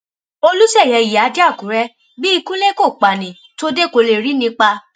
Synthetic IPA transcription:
o˧lu˦sɛ˦˨jɛ˨˧˦i˨a˨˦da˦˨kũ˨˦ɾɛ˦ | bi˦i˧kũ˦le˦ko˦˨k͡pa˨nĩ˨ | to˦de˦˨ko˧le˧˨ɾi˨˦nĩ˧˦k͡pa˧

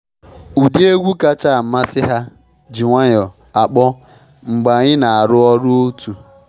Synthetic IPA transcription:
u˨di˦e˦ɡʷu˦ka˦t͡ʃa˦˨m̩˨ma˦sɪ˦ɦa˦ | d͡ʒi˨ŋʷa˦ɲɔ˨ | a˨k͡pɔ˦ | ŋ͡m̩˨ɡ͡ba˨ɲɪ˦na˨a˨ɾʊ˦ɔ˦ɾʊ˦o˦tu˨

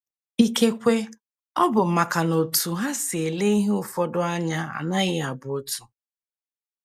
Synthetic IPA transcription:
i˦ke˦kʷe˦ | ɔ˦bʊ˨m̩˨ma˨ka˨no˨tu˨ɦa˦sɪ˨e˨le˦i˦ɦʊ˦fɔ˦dʊ˦a˦ɲa˦a̰˨na˦ɣɪ˦a˨bʊ˨o˦tu̥˨

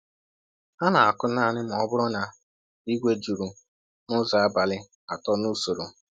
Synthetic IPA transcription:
a˦na˨a˨kʊ˦na˦˨nɪ˦m̩˨ɔ˦bʊ˦ɾʊ˦na˨ | i˦ɡʷe˦d͡ʒu˨ɾu˨ | nʊ˦za˨a˦ba˨lɪ˦ | a˨tɔ˦nu˦so˨ɾo˨

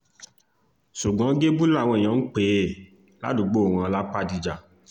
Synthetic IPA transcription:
ʃu˨ɡ͡bɔ̃˨˦ɡe˦bu˦la˦˨w̃ɔ̃˧e˨j̃ã˨˦k͡pe˨˦˨ | la̰˦dũ˨ɡ͡bo˦˨wã˧ɔ˧la˦k͡pa˦di˧d͡ʒa˨

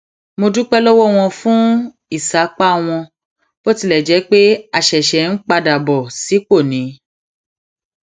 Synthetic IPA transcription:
mo˧du˦k͡pɛ˦lɔ˦wɔ˦˨w̃ɔ̃˧fũ˦ | i˦˨sa˨˦k͡pa˦˧w̃ɔ̃˧ | b̥o˦ti˧lɛ˨d͡ʒɛ˨˦k͡pe˦a˧ʃɛ˨ʃɛ˨n̩˦k͡pa˧da˨bɔ˨si˨˦k͡po˦˨nĩ˨˦

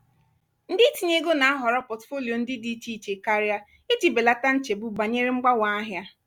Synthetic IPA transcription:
n̩˦dɪ˦ti˨ɲe˦ɡo˦na˨˦a˦ɦɔ˨ɾɔ˦pɔ˨tfo˦li˨o˨n̩˦dɪ˦di˦t͡ʃi˦t͡ʃe˨ka˦ɾja˦ | i˦ti˨be˨la˦ta˦n̩˦t͡ʃe˨bu˦ba˨ɲe˦ɾe˦ŋ͡m̩˦ɡ͡ba˦wa˨˦a˦ɦja˦

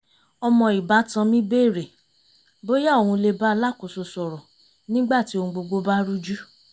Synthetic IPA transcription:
ɔ˧mɔ̃˧i˨ba˨˦tã˧mĩ˦be˦˨ɾe˨ | bo˦ja˦o˨hũ˧le˧ba˦˧˦la˦˨ko˨so˧sɔ˨ɾɔ˨ | nĩ˦ɡ͡ba˦˨ti˨˦õ˧ũ˧ɡ͡bo˧ɡ͡bo˦ba˦ɾu˦d͡ʒu˦

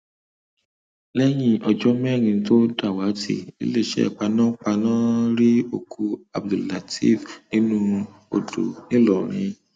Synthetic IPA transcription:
lɛ˦j̃ĩ˧ʔɔ˧d͡ʒɔ˦mɛ̃˦˨ɾ̃ĩ˧to˦da˦˨wa˨˦tʰḭ˦˨ḭ˦le˦˨ʃɛ̰˦˨k͡pa˧nãː˦k͡pa˧nãː˦ɾi˦o˦˨kʰu˧a̰˨bdo˨la˨tʰḭ˦˨fnĩ˨˦nũ˦ | o̰˧do̰˨nĩ˦lɔ˨ɾ̃ĩ˧

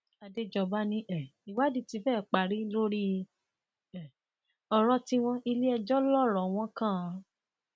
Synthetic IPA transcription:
a˧de˦d͡ʒɔ˧ba˦nĩ˦ʔɛ˨i˨wa˦di˦ti˧fɛː˦˨k͡pa˨ɾi˨˦lo˦ɾi˦˧ | ɛ˨ | ɔ˧ɾ̃ɔ̃˧ti˦w̃ɔ̃˦i˧li˦ɛ˧d͡ʒɔ˦lɔ˦˨ɾɔ˨w̃ɔ̃˦kã˦˨

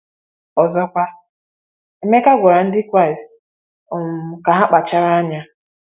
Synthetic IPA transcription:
ɔ˨zɔ˦kʷa˦ | e˦me˦ka˦ɡʷɔ˨ɾa˨n̩˦dɪ˦kʷa˦ɪ˨s | ɔ˨m̩˨ka˨ɦa˦k͡pa˨t͡ʃa˦ɾa˦ɲa˦

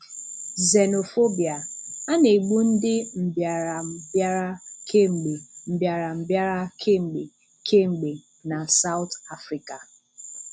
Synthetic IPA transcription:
ze˨no˨fo˦bi˨a˨a˦ne˨ɡ͡bu˦n̩˦dɪ˦m̩˨bja˨ɾa˨bja˦ɾa˦kʰe˦ŋ͡m̩˨ɡ͡be˨m̩˨bja˨ɾa˨m̩˨bja˦ɾa˦kʰe˦ŋ͡m̩˨ɡ͡be˨ | kʰe˦ŋ͡m̩˨ɡ͡be˨ | na˨sa˦ʊ˦ta˦fɾi˨ka˨

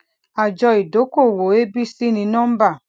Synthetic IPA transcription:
a˨d͡ʒɔ˧i˨do˨˦ko˦˨wo˨˦e˦bi˦si˦nĩ˨˧˦nɔ˦m̩˦ba˦˨

